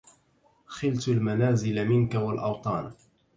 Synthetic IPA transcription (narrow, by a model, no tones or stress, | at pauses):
xɪlt̪almanaːzɪlamɪnkawalʔɑwt̪ˤɑːn